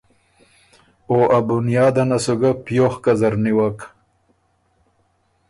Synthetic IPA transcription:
oʔabunjɑːd̪anasuɡapjoxkazaɾniwak

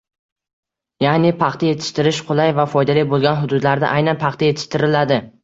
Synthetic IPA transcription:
janɪpʰɑχt̪ʰaje̞t̪ʰɪ̥ʃt̪ɪɾɪʃqʰolˠajvafɒjd̪alijbolˠɡʲanɦʊd̪ʊd̪laɾd̪a̰ʔajnanpʰɑχt̪ʰaje̞t̪ʰɪ̥ʃt̪ɪɾɪlad̪ɪ

